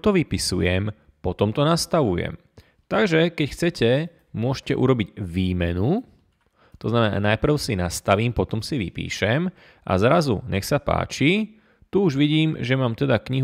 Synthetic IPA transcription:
t̪ɔʋipisujɛm | pɔt̪ɔmt̪ɔnast̪aʋujɛ̰m | t̪aɡʒɛkɛcxt͡sɛcɛ | mʊɔʃcɛʔṵɾɔbiɟʋiːmɛnu | t̪ɔznamɛna̰ːnajpr̩ʊsinast̪aʋiːmpɔt̪ɔmsiʋḭpḭːʃɛm | ʔa̰zɾazṵɲɛxsapa̰ːt͡ʃi | t̪uuʒʋiɟiːmʒɛmaːmt̪ɛd̪akɲiɦ

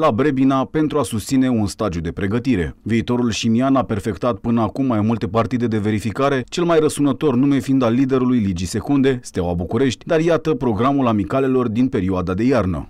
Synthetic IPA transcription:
labɾebinape̞nt̪ɾuasust̪sine̞unst̪ad̪ijud̪e̞pɾe̞ɡət̪iɾe̞̰viːt̪o̞ɾulʃimianape̞rfe̞kt̪at̪̚pɨnəakumːajmult̪e̞part̪id̪e̞d̪e̞ve̞ɾifikaɾe̞t͡ʃe̞lmajrəsunət̪o̞rnume̞fiːnd̪alːid̪e̞ɾulujlid͡ʒise̞kund̪e̞st̪ewabukuɾe̞ʃt̪ʲd̪arjat̪əpɾo̞ɡɾamulamikale̞lo̞rd̪inpe̞ɾioad̪ad̪e̞jarnə̰

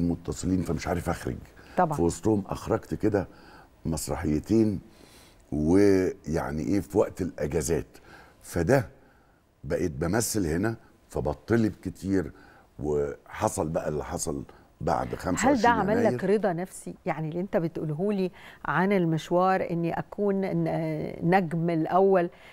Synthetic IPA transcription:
mot̪ːɑsˤɨliːnfæmeʃʕaːɾefʔæxɾḛɡt̪ɑbfæwɑsˤt̪ˤohomʔæ̰xɾˤɑɡt̪ked̪æ | mɑsˤɾˤɑ̰ħejːet̪eːn | weja̰ʕnḭʔeːfiwæʔt̪elʔæɡæzæːt̪ | fæd̪æ | bæʔet̪̚bæmæsːelhenæ | fæbɑt̪ˤːelibket̪ʰiːɾ | weħɑsˤɑlbæʔælːiħɑsˤɑl | ba̰ʕd̪xæmshæld̪æʕamælːækɾed̪ˤɑnæfsijaʕnilːiʔent̪æbet̪ʔṵːlɦuːliːʕanelmeʃwɑːɾˤʔenːiʔækʰuːnː | æɡmelʔæwːæl

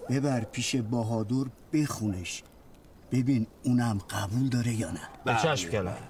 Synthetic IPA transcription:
b̥ebæɾpʰiːʃe̞bɒːɦɒːd̪oɾb̥e̞xuneʃ | b̥e̞binunæmɢæbuːld̪ɒːɾe̞jɒːnæbet͡ʃʰæʃmkænæm

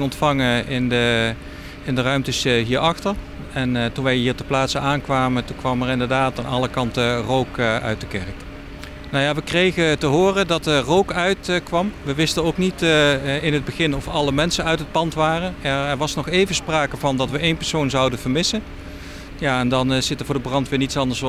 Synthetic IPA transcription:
ɔntfɑŋəɪndə | ɪndərœɥmtəsɦiːɹɑxtəɹ | ɛntunʋɛjʋəɦiːɹtəplaːtsəaːnkʋaːmətukʋɑmɛɹɪndəɹdaːtaːnɑləkɑntərowkœ̰ɥt̚dəkɛɹk | nowjaːʋəkrejɣətəɦʊːrədɑtərowkœɥtkʋɑmʋəʋɪstənowknitɪnɦəd̚bəɣɪnɔfɑləmɛnsənœɥtɦət̚pɑntʋaːrənɛɹɛɹʋɑsnɔχejvəspraːkəvɑndɑtʋəʔejnpɛɹsownzɑwdəv̥əɹmɪsən | jaːɛndɑnz̥ɪtəɹvʊːdəbrɑntʋɪːɹnitsɑndəɹs

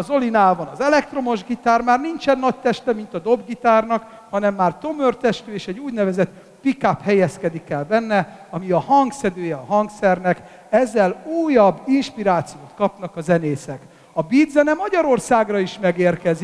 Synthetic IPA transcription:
ɒzo̞linaːbɒnɒzɛlɛkt̪ro̞mo̞ʒɡit̪aːrmaːrnint͡ʃɛnːɒc̚t̪ɛʃt̪ɛmint̪ɒd̪o̞bɡit̪aːrnɒk | hɒnɛmːaːrt̪o̞mørt̪ɛʃt̪øːeːʃɛɟːuːɟnɛvɛzɛt̪ | pikaphɛjɛskɛd̪ikɛlbɛnːɛ | ɒmiɒhɒŋksɛd̪øːjɛɒɦɒŋksɛrnɛk | ɛzːɛluːjɒbːinʃpiɾaːt̪sijoːt̪kɒpn̪ɒkɒzɛneːsɛk | ɒbiːd̪zɛnɛmɒɟɒɾo̞rsaːɡrɒiʃmɛɡeːrkɛzi

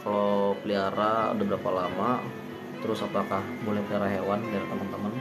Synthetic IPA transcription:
kalopəliaɾaa̰dabəɾapalama | t̪əɾʊsapakahbolɛhpəliaɾaɦewandaɾit̪əmənt̪əmən

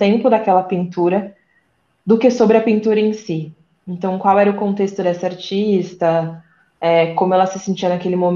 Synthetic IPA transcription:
t̪ẽmpʊd̪ɐkɛlɐpĩnt̪uɾɐ | d̪ʊkesobɾɪɐpĩnt̪uɾɐẽsi | ẽnt̪ɐ̃w̃kwawɛɾɐʊkõnt̪est̪ʊd̪ɛsɐaɾt͡ʃist̪ɐ | ɛkõmʊɛlɐsɪsẽt͡ʃiɐnɐkelɪmom

